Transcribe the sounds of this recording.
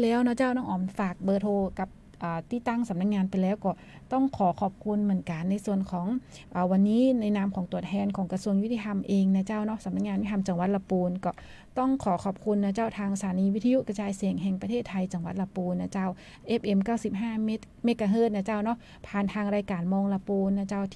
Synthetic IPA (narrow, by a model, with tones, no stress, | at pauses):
lɛː˦˥wnɔ˦˥t͡ɕaː˥˩wnɔː˥˩ŋʔɔː˨˩nfaː˨˩k̚bɤː˧t̪ʰoː˧ka˨˧˩p̚ | ʔaː˨˩t̪iː˧˩t̪ːa˥˩ŋsa˨˩˦mna˧˥k̚ŋaː˧npa˨jlɛː˦˥wkɔː˧˩ | t̪ɔ˥˩ŋkʰɔː˨˩˦kʰɔː˨˩p̚kʰu˧nmɯ˨˩ənka˨nːa˧jsu˨˩ənkʰɔː˨˩˦ŋ | ʔəː˨˩wa˧nːiː˦˥na˧jnaː˦˥mkʰɔː˩˦ŋt̪u˨˩ət̪̚ʰɛː˧nkʰɔː˩˦ŋka˧su˧əŋju˦˥t̪ʰiː˧t̪ʰa˧mʔeː˧ŋna˧˩t͡ɕaː˥˩wnɔ˦˥sa˨˩˦mna˦˥k̚ŋaː˧jwtʰa˧mt͡ɕa˨˧˦ŋwa˨˧˦t̪̚la˧puː˧nkɔː˧˩ | t̪ɔ˥˩ŋkʰɔː˨˩˦kʰɔː˨˩p̚kʰu˧nːaː˧˩t͡ɕaː˧˥˩wt̪ʰaː˧ŋsa˧tʰaː˨˩˦niː˧wi˦˥t̪ʰːju˧˥ʔka˧t͡ɕaː˧jsi˨˩əŋɦɛː˧ŋpɾʰeː˥˩t̪ʰːa˧jt͡ɕa˨˦ŋwa˨˦t̪̚la˧puː˧nːa˧˩t͡ɕaː˧˥˩w | ʔe˦˥p̚ʔe˧mkaː˥˩wsi˧˦p̚ɦaː˥˩me˦˥ | me˦˥kːaː˧ɦɤː˥˩t̪̚naː˧˩t͡ɕaː˥˩wnɔ˦˥ | pʰaː˨˩nt̪ʰaː˧ŋɾaː˧jkaː˨˩nmɔː˧ŋla˧puː˧nːa˧˩t͡ɕaː˥˩wt̪ʰ